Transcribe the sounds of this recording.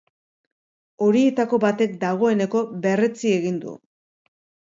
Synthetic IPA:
o̞ɾie̞t̪ako̞bat̪e̞k̚d̪aɣ̞o̞e̞ne̞ko̞βe̞re̞t͡sie̞ɣind̪ṵ

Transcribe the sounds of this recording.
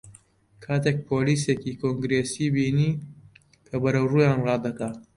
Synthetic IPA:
kʰaːt̪eːk̚pʰoːliːseːkiːkʰoŋɡɾeːsiːbiːniː | kʰɐbɐɾɐwruːjaːnrɑːd̪ɐkaː

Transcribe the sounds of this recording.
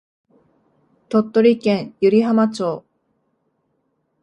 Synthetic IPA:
t̪o̞t̪ːo̞ɾʲikẽɰ̃jɯɾʲiɦamat͡ɕo̞ː

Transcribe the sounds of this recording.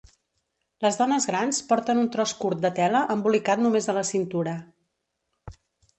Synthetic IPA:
ləzðɔnəzɣɾanspɔɾt̪ənunt̪ɾɔskuɾt̪̚d̪ət̪ɛləʔəmbulikat̪numezðələsint̪uɾə

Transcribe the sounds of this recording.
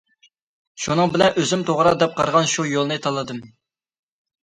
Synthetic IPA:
ʃunɨŋbɪlɛnʔøzymt̪ʰoʁɾɑd̪ɛp̚qʰɑ̰ɾʁɑnʃujolˠnɨt̪ʰɑlˠːɨd̪ɨm

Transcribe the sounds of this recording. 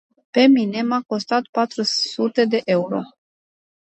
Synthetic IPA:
pe̞mine̞mako̞st̪at̪pat̪ɾusut̪e̞d̪e̞ʔe̞uɾo̞̰

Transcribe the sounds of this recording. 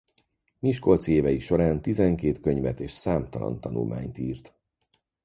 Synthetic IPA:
miʃko̞lt̪sieːvɛjiʃo̞ɾaːnt̪izɛŋkeːt̪køɲvɛt̪eːʃsaːmt̪ɒlɒ̰nt̪ɒnṵlmʔa̰ːɲt̪iːrt̪

